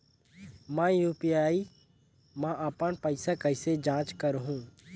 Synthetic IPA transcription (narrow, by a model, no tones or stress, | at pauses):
mãjuːpijaːi | mãʔəpənpəɪsakəɪsed͡ʒãːt͡ʃkəɾɦũː